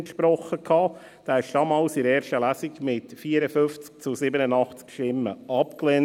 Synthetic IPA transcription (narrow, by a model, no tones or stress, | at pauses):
ntʃpɾɔχːəkʰɑː | d̥æːɪʃd̥ɑːmɑːlsɪɾɛːɾʃtəlæsikmɪtfiːəɾəfʏft͡s̚t͡sʊsɪbənənɑχt͡skʃtɪmːə̰ʔɑpklɛn